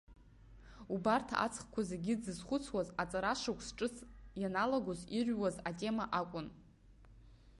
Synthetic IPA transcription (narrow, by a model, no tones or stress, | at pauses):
ubartʰa̰ʔa̰t͡sʰʼχkʷʰazeɡʲɪd͡zɨzχʷʊt͡sʰwazat͡sʼaɾaʂakʷʰsʈ͡ʂʼɨsʰjanalaɡʷozirʲʷwazatʼe̞maʔakʷʼʊn